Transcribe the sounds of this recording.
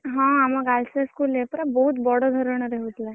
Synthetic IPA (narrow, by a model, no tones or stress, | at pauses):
ɦɔ̃amaɡalseskulepəɾabəɦut̪bɔɽɔd̪ʱəɾəɽ̃əɾeɦut̪la